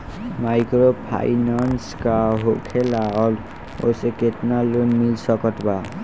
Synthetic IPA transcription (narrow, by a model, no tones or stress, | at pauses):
majkɾopʰa̰jnanskaɦokʰelaɔl | o̰seketnalunmilsɔkɔtba